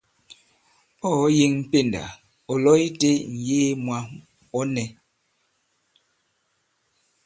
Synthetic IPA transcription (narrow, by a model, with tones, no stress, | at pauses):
ɔ˦˨˦je˦ŋm̩˨pe˦˨nda̰˨ | ɔ˨lɔ˦i˦te˦n̩˨jeː˦mwa˦ | ɔ˦nɛ˨